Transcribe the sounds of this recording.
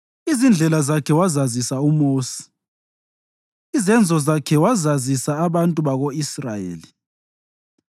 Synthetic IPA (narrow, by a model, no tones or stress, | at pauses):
izind͡ɮʱɛlazakʰɛwazazisaumoːsi̥ | izɛnd͡zʱɔzakʰɛwazazisaːβantʼuβaɣoisrajḛːli